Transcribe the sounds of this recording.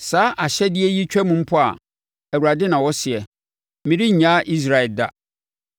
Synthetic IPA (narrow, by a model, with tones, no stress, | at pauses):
saː˨˦ʔa˨ɕɛ˦dɪ˦ɛ˦ji˦t͡ɕᶣɛ˦mũ˦m̩˦pʰʊ˦a̰˨ | æ˨wu˨ɾa˨dɪ˦nã˨wɔ˦sɪ˨ɛ˨ | mɪ̃˨ɾi˦ɲ˨ɲã˦ʔi˦s̬ɾa˨ɛ˨lda̰˦